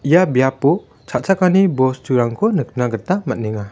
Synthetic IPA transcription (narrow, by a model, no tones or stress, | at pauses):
ijabijapɔ | t͡ʃʰat̚t͡ʃʰakanibɔsd͡ʒuɾaŋkʰɔnɯk̚naɡɯɾtamat̚neŋa